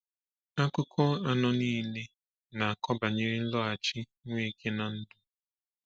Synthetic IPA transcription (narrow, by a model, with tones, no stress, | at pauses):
a˦kʊ˦kʰɔ˦a˦nɔ˦niː˦le˦ | na˨a˨kʰɔ˦ba˨ɲe˦ɾɪ˦n̩˦lɔ˦a˨t͡ʃi˦ | ŋʷ˦e˦˨kʰe˦na˨n̩˦dʊ˨